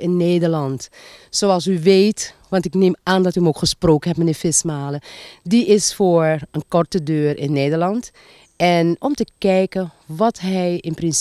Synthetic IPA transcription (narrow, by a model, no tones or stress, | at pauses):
ɪnːeːdəɹlɑntsoɑlˠsyʋeːtʋɑntɪkneːmaːndɔtyəmokxəsproːkənɦɛp̚mɛniːfɪsmaːlədiʔɪsfoːɹənkɔrtədøːrɪnːeːdəlɑnt | ɛnɔmtəkɛjkə | ʋɑtɦɛjɪnprɪns